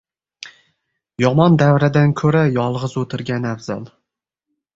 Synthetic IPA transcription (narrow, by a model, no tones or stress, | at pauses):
jɒmɒnd̪avɾad̪ankʲʰɵɾajɒlˠʁɨzɵt̪ʰɪɾɡʲanavzɒ̰lˠ